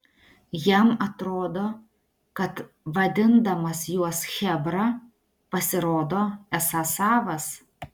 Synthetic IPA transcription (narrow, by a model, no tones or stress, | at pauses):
jɛmɐt̪ɾoːd̪oː | kɐt̪ | ʋɐd̪ʲɪnd̪ɐmɐsjuɔsxʲɛbɾɐ | pɐsʲɪɾoːd̪oːɛsɐsɑːʋɐs